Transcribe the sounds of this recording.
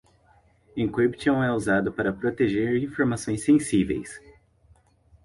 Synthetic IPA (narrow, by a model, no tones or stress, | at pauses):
ẽkebt͡ʃɐ̃w̃ɛuzad̪ʊpaɾɐpɾot̪eʒeɾĩfoɾmasõj̃sːẽsivḛjs